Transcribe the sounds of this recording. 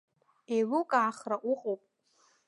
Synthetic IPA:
ewʊkʼaːχraʔʊqʼowpʼ

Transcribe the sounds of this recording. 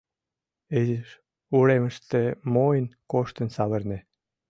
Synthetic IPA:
ezəʃ | uɾemə̆ʃt̪emojənkoʃt̪ənsɑβə̆rnĕ

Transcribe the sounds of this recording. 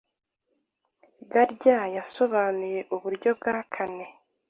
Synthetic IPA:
ɡaɾɟajaso̞βaːnuje̞ʔuβuɾɟo̞b̚ɡaːkʰane̞

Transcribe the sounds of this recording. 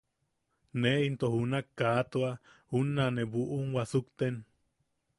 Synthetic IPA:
neint̪ohunakːaːt̪oa | hunːaneβuʔuŋwasukt̪en

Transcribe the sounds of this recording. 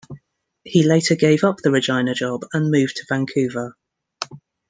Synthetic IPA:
hileɪtʰəɡeɪvʌp̚ðəɹɪd͡ʒãɪ̃nəd͡ʒɒbə̃nmʉːv̥tʰəv̥ãŋkʰʉːvə

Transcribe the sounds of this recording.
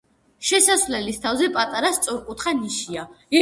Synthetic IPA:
ʃɛsasvlɛlist̪ʰavzɛpʼat̪ʼaɾast̪sʼɔɾkʼut̪χaniʃia

